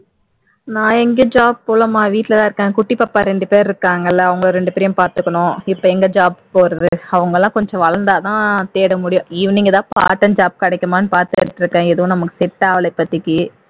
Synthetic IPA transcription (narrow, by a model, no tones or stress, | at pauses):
nãːɛŋɡed͡ʒaːb̚poːlɐmaːʋiːʈːɪlɐt̪ãːɪɾɯkːãːŋɡɐkʊʈːipːɐpːaːɾɛɳɖɯpeːɾɾɯkːaːŋɡɐlːɐɐʋɐŋɡɐɭoɾɛɳɖɯpɛːɾɪjʊ̃paːɾt̪ɯkːɐɳʊ̃ɪpːɐɛŋɡɐd͡ʒaːb̚poːɾɐðɯɐʋɐŋɡɐlːãːkɔɲd͡ʒɔ̃ʋɐɭɐnd̪aːt̪ãːt̪eːɽɐmʊɽɪjʊ̃ɪʋɐniŋɡɐt̪ãːpa̰ːʈːɐnd͡ʒaːb̚kɐɽɐkːɐmaːnːɯpaːɾt̪ɯɯʈːɪɾɯkːẽːɛðɯʋʊ̃nɐmɐkːɯ̥sɪʈːɐaːʋɐlɐɪpːɐt̪ːɪkːɯ